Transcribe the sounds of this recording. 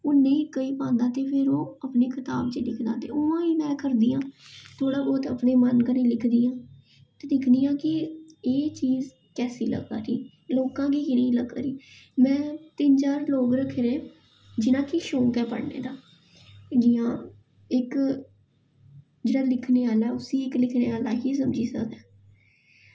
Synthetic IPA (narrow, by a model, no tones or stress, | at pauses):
oːnẽĩːkəiːpãːnd̪aːt̪eːpʰɪɾoːəpneːkʰɪt̪aːbt͡ʃelɪkʰd̪ã̰ːt̪ḛːʊʋãːiːnaːkəɾd̪iːãːt̪ʰoːɽaːbɔːt̪ə̰pneːmənkəɾẽːlɪkʰd̪iːãː | t̪eːdɪkʰd̪iːjãːkɪeːt͡ʃiːz | kɛːsḭːlə̰ɡ̪aːɾiː | loːkãːkiːnəiːləɡa̰ːɾiːmɛ̃ːt̪ɪnd͡ʒaːɾloːkɾəkʰːeːɾeː | d͡ʒɪnãːkiʃoːkɛːpə̰ɽnḛːd̪aː | d͡ʒɪːãː | ɪk | d͡ʒeːɽaːlɪkʰneːaːlɛːʊsiːɪklɪkʰneːaːlaːɦiːs̬əmd͡ʒiːsə̰kd̪ɛː